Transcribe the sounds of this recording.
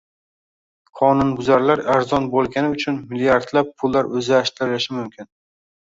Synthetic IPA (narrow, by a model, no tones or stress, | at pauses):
qʰɒnʊnbʊzaɾlaɾaɾzɒnbolˠɡʲanɪʊt͡ʃʰʊnmɪlijaɾd̪lap̚pʰʊlːaɾɵzaʃt̪ʰɪɾɪlɪʃɪmʊmkʲʰɪn